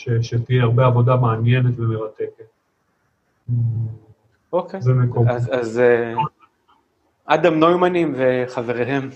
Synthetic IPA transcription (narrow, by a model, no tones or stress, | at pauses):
ʃeʃet̪ijeaʁbeavo̞d̪ameanjenet̪vemeʁat̪eket̪̚ | okezemekomaaz | ʔad̪amnojmanimveχaveʁeɦem